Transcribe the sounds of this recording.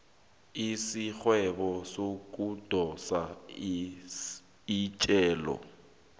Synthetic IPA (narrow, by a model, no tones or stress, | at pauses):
isik͡xwɛbɔsokʼud̥ʱɔsa | it͡ʃʼɛːlɔ̰